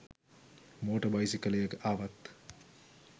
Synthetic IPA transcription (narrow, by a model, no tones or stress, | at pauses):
moːʈəbajsikələjəkəʔaːʋat̪